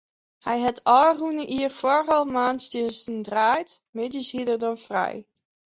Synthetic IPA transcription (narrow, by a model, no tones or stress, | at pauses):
hɛjɦɛtʰɑlrunəʔiːrfɔrɑlˠmaːntstənstəndraːjtmɪdəshidərdɔnfrɛ̰j